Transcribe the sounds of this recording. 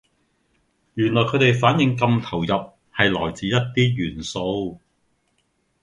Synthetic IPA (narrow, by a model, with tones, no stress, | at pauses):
jyː˨˩nlɔː˨˩kʰɵ˨˧ɥt̪e˨jfaː˨˥njɪ˧ŋkɐ˧mt̪ʰɐ˨˩wjɐ˨p̚ | hɐ˨jlɔː˨˩jt͡siː˨˧jɐ˥t̚t̪iː˥jyː˨˩nso˧w